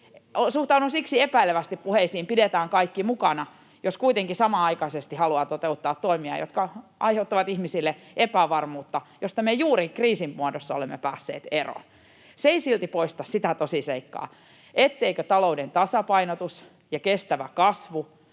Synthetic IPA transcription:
onsuht̪ɑunusiksiepæileʋæst̪ippuheisiːmpidet̪æːŋkɑikːimukɑnɑ | joskuit̪eŋkisɑmɑɑikɑisest̪ihɑluɑt̪ot̪eut̪ːɑːt̪t̪oimiɑ̰jo̰t̪kɑʔɑ̰iheut̪ːɑʋɑt̪ihmisilːeʔepæʋɑrmuːt̪ːɑjost̪ɑmejuːɾikriːsimmuɑdosːɑo̰lemːepæːsːḛːt̪ero̰n | seisilt̪ipoist̪ɑssit̪æt̪osiseikːɑ̰ː | ʔet̪ːeikøt̪ɑloudent̪ɑsɑpɑinot̪us | jɑkest̪æʋæ̰kɑsʋu

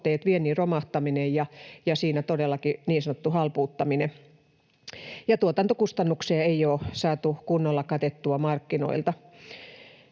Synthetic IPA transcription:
t̪eːt̪ʋienːiːromɑht̪ɑminejjɑjɑsiːnæt̪odelːˑɑkiniːnsɑnot̪ːuhɑlpuːt̪ːɑmine | jɑt̪uot̪ɑnt̪okust̪ɑnːukseɑeioːsɑːt̪ukunːolːɑkɑt̪et̪ːuɑmɑrkːino̰ilt̪ɑ

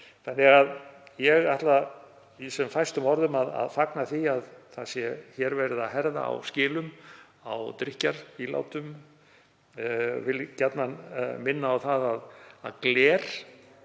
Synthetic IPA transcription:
θanːɪɣaðjɛɣaht̪la | isɛmfajst̪ʏmɔɾðʏmaða̰ðfaknaθiaðθaðsjɛçɛɾvɛɾɪðaðɦɛɾða̰a̰wscɪːlʏm | awt̪ɾɪhcaɾila̰wt̪ʏm | vɪlcat̪nanmɪnːaːwθaðaða̰ðklɛːɾ̥

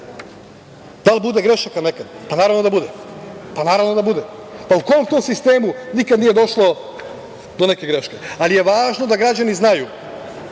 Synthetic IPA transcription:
d̪alˠbud̪eɡɾeʃakanekad̪panaːɾavnod̪abud̪epanaːɾavʋnod̪abud̪epauko̞omt̪oːmsist̪eːmunikad̪nije̞d̪o̞ʃlˠo̞ | d̪o̞neke̞ɡɾe̞ʃke̞alije̞ʋaːʒno̞d̪aɡɾad͡ʑaniznaju

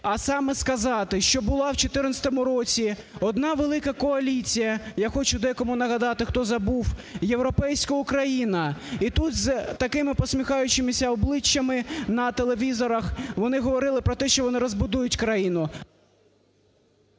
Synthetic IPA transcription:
ɐsɑmɛskɐzɑt̪ɪʃt͡ʃɔbʊlˠɑwt͡ʃɔt̪ɪrnɐsʲɐ̥t̪ɔmʊɾɔt͡sʲi | ɔd̪nɑʋelˠɪkɐkɔɐlʲit͡sʲijɐjaxɔt͡ʃʊd̪ɛjɐkɔmʊnɐɦɐd̪ɑt̪ɪxt̪ɔzɐbuwjewɾɔpɛjsʲkʊʊkɾɐjinɐit̪ut̪zt̪ɐkɪmɪpɔsmʲixɑjʊt͡ʃɪmɪsʲɐɔblˠɪt͡ʃːɐmɪnɐt̪elˠe̞ʋʲizɔɾɐxʋɔnɪɦɔʋɔɾɪlˠɪpɾɔt̪ɛʃt͡ʃɔʋɔnɪɾɔzbʊd̪ujʊtʲkɾɐjinʊ

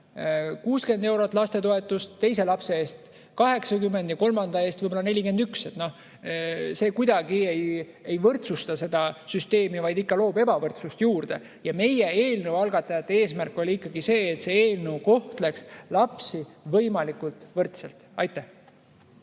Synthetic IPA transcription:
kuːske̞nd̪e̞wɾo̞t̪ːˑlɑst̪e̞t̪o̞e̞t̪ˑːust̪t̪ːe̞js̬e̞lɑpse̞eːst̪ | kɑɦe̞ksɑkymːe̞nd̪jɑko̞lmɑnd̪ɑe̞ːst̪vɯjbolɑne̞lʲike̞nd̪̥ykse̞t̪no̞ | se̞ːkujd̪̥ɑɡie̞j | e̞jvɤrt̪sust̪ɑse̞d̪̥ɑsyst̪e̞ːmivɑjd̪ikːɑlo̞ːbe̞bɑvɤrt̪sust̪juːrd̪̥e̞ | jɑme̞jeeːlnəwɑlɡ̥ɑt̪ːˑɑjɑt̪ːee̞ːsmærkːˑo̞lʲiikːˑɑɡise̞ːt̪se̞eːlnəwko̞ht̪le̞kslɑpsivɤjmɑlikˑult̪ˑvɤrt̪selt̪ˑɑjt̪ːˑæh

